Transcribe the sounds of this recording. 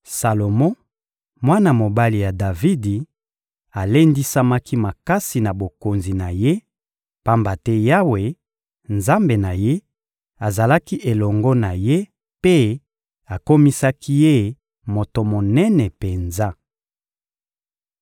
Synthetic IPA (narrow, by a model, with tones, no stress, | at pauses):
sa˨lo˨mɔ̃˦ | mwa˦na˨mo˨ba˦li˨ja˨da˨vi˦di˨ | a˨le˦ndi˦sa˦ma˦ki˦ma˨ka˦si˨na˨bo˨ko˨nzi˨na˨je˦ | pa˦mba˨tɛ˦ja˦we˨ | nza˦mbe˨na˨je˦ | a˨za˨la˦ki˦ʔe˨lɔ˨ŋɡɔ˦na˨je˦ | pe˦ | a˨ko˦mi˦sa˦ki˦je˦ | mo˨to˨mo˨nɛ˦nɛ˨pe˨nza˦